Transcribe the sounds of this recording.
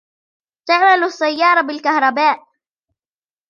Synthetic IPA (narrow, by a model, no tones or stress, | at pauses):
t̪aʕmalsːajːɑːɾˤɑbɪlkahɾˤɑbaːʔ